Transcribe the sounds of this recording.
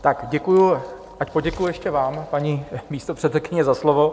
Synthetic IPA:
t̪akɟɛkuju | ʔacpo̞ɟɛkujʊjɛʃcɛvaːmpaɲimiːst̪opr̥ɛt̪sɛkɪɲɛzaslovo

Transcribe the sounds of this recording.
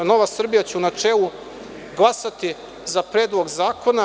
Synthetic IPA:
no̞ʋasr̩bijat͡ɕenat͡ʃelˠu | ɡlˠasat̪i | zapɾeːd̪lˠo̞ɡzaːko̞na

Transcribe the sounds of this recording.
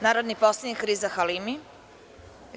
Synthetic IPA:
naːɾod̪niposlˠad̪nikɾizaxalimi

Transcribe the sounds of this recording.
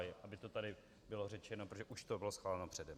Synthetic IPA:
jɪʔabɪt̪o̞t̪adɪ | bɪlo̞r̝ɛt͡ʃɛnop̬ɾot̪od͡ʒɛʔuʃt̪obɪlosxvaːlɛnopr̝̥ɛdɛm

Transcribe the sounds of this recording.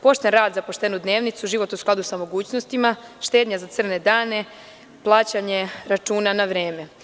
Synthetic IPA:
po̞ʃt̪enɾaːd̪zapo̞ʃt̪enud̪ne̞ːʋnit̪suʒiʋo̞t̪usklad̪usamo̞ɡuːt͡ɕno̞st̪imaʃt̪e̞ːd̪ɲazat̪sr̩ne̞d̪aːne̞ | plˠaːt͡ɕaɲe̞ɾat͡ʃuːnanaʋɾe̞ːme̞

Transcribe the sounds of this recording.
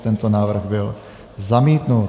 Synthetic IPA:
t̪ɛnt̪ɔnaːʋr̩ɣbil | zamiːt̪nut̪

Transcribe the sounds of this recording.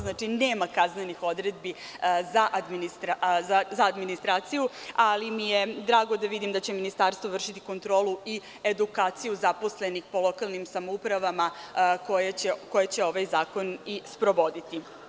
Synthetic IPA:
znaːt͡ʂineːmakaznenixo̞d̪ɾed̪̚bi | zaʔad̪minist̪ɾaazaːd̪minist̪ɾaːt̪sijualimijed̪ɾaːɡo̞d̪aʋid̪imd̪at͡ɕe̞minist̪aːɾst̪ʋor̩ʂit̪i̥ko̞nt̪ɾo̞ːlui | ed̪ukaːt̪sijuzapo̞sle̞nixpo̞lˠo̞kalˠnimsamoupɾaʋamakojeeko̞jet͡ɕe̞o̞ʋajzaːko̞nispɾo̞ʋo̞d̪it̪i

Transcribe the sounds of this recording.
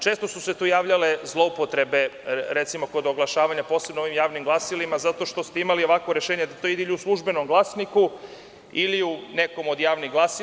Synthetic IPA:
t͡ʃeːst̪o̞suset̪uːjaːʋʎale̞zlˠo̞upo̞t̪ɾe̞be̞ɾet̪simo̞ko̞d̪oɡlˠaʃaːʋaɲapo̞ːse̞bnooʋimjaːʋnimɡlˠasilimazat̪o̞ʃt̪o̞st̪eimalio̞ʋakʋo̞ɾeʃeːɲed̪at̪o̞id̪eiliuslˠuʒbe̞no̞mɡlˠaːsniku | iliune̞ko̞mo̞d̪jaːʋniɣɡlˠasi

